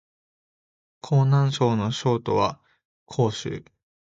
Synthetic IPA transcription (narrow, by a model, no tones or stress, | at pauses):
kʰo̞ːnãɰ̃ɕo̞ːno̞ɕo̞ːt̪o̞βa | kʰo̞ːɕɨ̰ː